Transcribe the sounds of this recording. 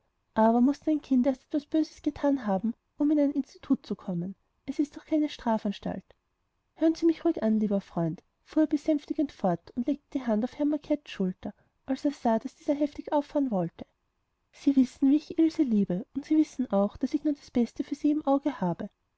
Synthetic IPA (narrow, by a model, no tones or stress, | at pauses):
ʔaːbɐmʊstaɪnkʰɪntɛɐstɛtvasb̥øːzəsɡ̥ətʰaːnɦaːbm̩ | ʔʊmɪnaɪnɪnstitʰuːt̚t͡sukʰɔmən | ʔɛsɪst̚d̥ɔχkʰaɪnəʃtʁ̥aːfanʃta̰lt | høːənz̥iːmɪçʁuːɪkanliːbɐfʁ̥ɔʏnt | fuːɐbəsɛmftɪɡəntfɔɐtʰʊntleːk̚təd̥iːɦandaʊfhɛɐmakʰɛtʃʊltɐ | ʔalseːɐz̥aːd̥asd̥iːzɐɦɛftɪçʔaʊfaːənvɔltʰə̥ | siːvɪsn̩viːɪçʔɪlzəliːbəʊntsiːvɪsn̩ʔaʊxd̥asɪçnuːɐdasb̥ɛstəfyːɐziːɪmʔaʊɡəhaːbə